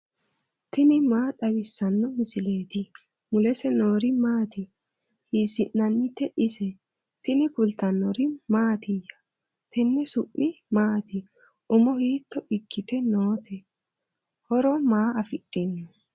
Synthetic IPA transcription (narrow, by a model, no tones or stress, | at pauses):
t̪ɪnɪmaːt̪ɐwɪsːɐnːɔmɪsɪle̞ːt̪ɪ | mʊlɛsɛno̞ːɾɪmaːt̪ɪ | hiːsɪnːɐnːɪt̪ːɛʔɪsɛ | t̪ɪnɪkʊlt̪ɐnːɔɾɪmaːt̪ɪjːɐ | t̪ɛnːɛsʊʔʔɪmaːt̪ɪ | ʔʊmɔhiːt̪ːɔʔɪkʰːɪt̪ɛnoːt̪ʰɛ | hɔɾɔmaːɐfɪɗʼːɪnːʊ